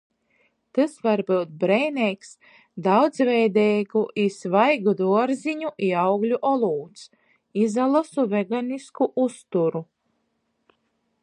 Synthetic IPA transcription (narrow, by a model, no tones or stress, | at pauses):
t̪ɨsvaɾbɨwt̪̚bɾɛjnʲɛks | d̪awd̪zvɛjd̪ɛjɡuʔisvajɡud̪uɔɾziɲuʔiawɡlʲuʔɔlˠuːt̪s | izalˠasuvɛɡaniskuʔust̪uɾu